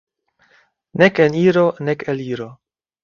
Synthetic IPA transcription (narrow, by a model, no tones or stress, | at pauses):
nekeniɾo̞nekeliɾo̞